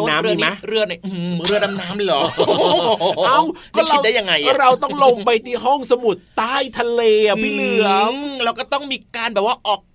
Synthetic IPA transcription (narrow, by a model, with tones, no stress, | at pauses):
naː˦ɾɯ˧˩ən˦˥ɾɯ˧əna˧˩ʔɯ˧˩ɾɯ˥˩ənːa˧mnaː˦˥mllɔː˨˩˧ | aː˧˩wkɔ˥˩kʰiɾa˨˧w̚da˥˩ja˧ŋːa˧jʔɔ˥˧˥ɾa˧wt̪ɔ˥˩ŋlo˧mpa˧jt̪iː˧˩ɦɔ˥˩ŋsa˧mu˨˩t̪ːaː˥˩jt̪ʰa˧leː˧i˧˩lɯ˧˩əɾa˧wkɔː˥˩t̪ɔ˥˩ŋmiː˧kaː˧nbɛː˨˩waː˥˩ʔɔː˨˩k̚